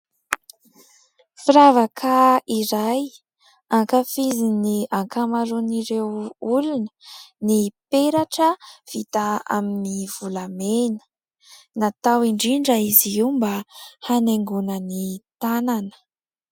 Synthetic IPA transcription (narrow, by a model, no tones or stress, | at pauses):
fiɾavakʰaiɾaj | aŋkafiziniaŋkamaɾuniɾewulunənipeɾaʈ͡ʂəv̥it̪aa̰miniv̥ulamenə̥ | nat̪awiɳɖ͡ʐiɳɖ͡ʐaiziumbahaneŋɡunənit̪ananə̥